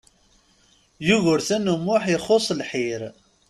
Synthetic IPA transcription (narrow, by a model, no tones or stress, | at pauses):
juʝʊɾθænəmːʊħjəχosˤlħiɾ